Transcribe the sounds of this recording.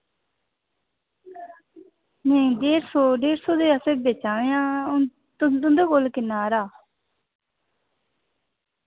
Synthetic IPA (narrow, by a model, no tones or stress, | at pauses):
nẽːɖeːɾsoːɖeːɾsoːd̪eːəsebeːt͡ʃaːʋejãː | t̪ʊnd̪oːkolkɪnaːɾaː